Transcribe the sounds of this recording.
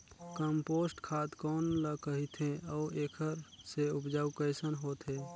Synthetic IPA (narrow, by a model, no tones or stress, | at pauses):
kəmpoːsʈkʰaːt̪kɔːnləkəɦit̪ʰɦẽɔːeːkʰəɾseʊpd͡ʒaːukəɪsənɦoːt̪ɦẽː